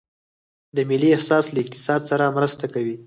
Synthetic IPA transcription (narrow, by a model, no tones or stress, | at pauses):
d̪əmɪliahsɑslaɪkt̪ɪ̥sɑd̪saɾamɾəst̪akawi